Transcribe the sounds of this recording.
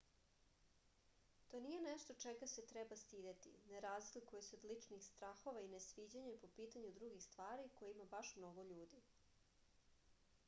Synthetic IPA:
t̪o̞nije̞neʃt̪o̞t͡ʃɛɡaset̪ɾɛbast̪iːd̪et̪ḭneɾaːzd̪ilʲkojesuod̪lit͡ʂnixst̪ɾaxo̞ʋainesʋiːd͡ʑeɲepo̞piːt̪aɲud̪ɾuɡixst̪ʋaːɾiko̞jimabaʃmno̞ɡoʎuːd̪i

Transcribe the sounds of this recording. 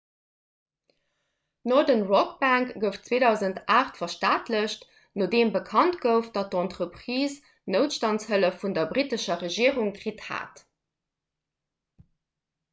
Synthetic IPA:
nɔdənʁɔkbæŋkɡ̥əftt͡sweːdɑʊzəntʔaːχtfɐʃtaːtləɕt | noːdeːmbəkʰɑntɡ̥əʊfd̥ɑt̚dɔntʁəpχiːs | nəʊtʃtɑntshələfundɐbʁitəʃɐʁəʒiəʁuŋkʁitha̰ːt

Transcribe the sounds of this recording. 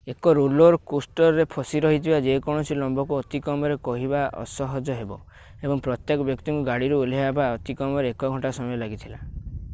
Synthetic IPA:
ekɔɾuloɾkusʈɔɾɾepʰɔsiɾɔɦit̪ʰibad͡ʒekɔɽ̃ɔsʰilɔmbɔkuɔt̪ikɔmɔɾekɔɦibaʔɔ̰sɔɦɔd͡ʒɔɦebɔ | ebɔŋpɾɔt̪jekɔbjɔk̚t̪iŋkuɡaɽiɾuuleabaɔt̪ikɔmɔɾeekɔɡʱɔɳʈasɔmɔjɔlaɡit̪ʰila

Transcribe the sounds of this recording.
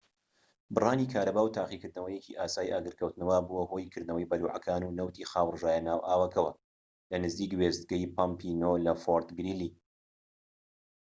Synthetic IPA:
bɨrˤɑːniːkʰaːɾɐbaːwt̪ʰaːχikɨɾd̪nɐwɐjekḭʔaːsaːjiʔaːɡɨɾkʰɐwt̪nɐwabuwɐɦoːjkʰɨɾd̪nɐwɐjbɐluːʕɐ̰kʰaːnuːnɐwt̪ʰiːxaːwrʒaːjɐnaːwʔaːwɐkʰɐwɐ | lɐnɨziːkwezt̪̚ɡɐjpʰampʰinoːlɐfoɾt̪ɡɾiːliː

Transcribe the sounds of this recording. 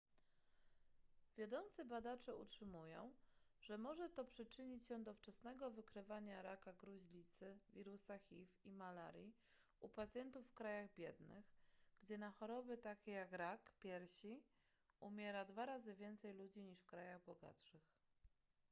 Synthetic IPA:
vʲjad̪ɔnt̪sɘbad̪at͡ʂɛṵtʂɘmujɔ̰̃w̃ʐ̥ɛmɔʐɛt̪ɔpʂɘt͡ʂɘɲit͡ɕɕɛd̪ɔft͡ʂɛsnɛɡɔvɘkɾɘvaɲaɾakaɡɾuʑlʲit̪sɘvʲiɾusaxʲifimala̰ɾji | upat̪sʲjɛnt̪ufːkɾajaɣbʲjɛd̪nɘ̰xɡ̥d͡ʑɛnaxɔɾɔbɘt̪akʲejakɾakpʲjɛɾɕi | umʲjɛɾad̪vaɾazɘvʲjɛnt̪sɛjlud͡ʑiɲiʂfkɾajaɣbɔɡa̰t̪ʂɘx

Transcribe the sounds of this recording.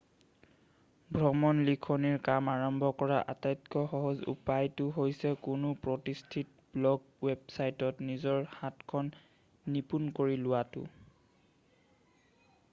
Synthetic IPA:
bʱɹɔmɔnlikʰɔniɹkamaɹɔmbʱɔkɔɹaʔatajtkɔxɔɦɔzṵpajtʊɦojsɛkʊnʊpɹɔtistʰit̚ | blɔɡ | websajtɔtnizɔɹhatkʰɔnː | ipunkoɹilʊwatʊ̰

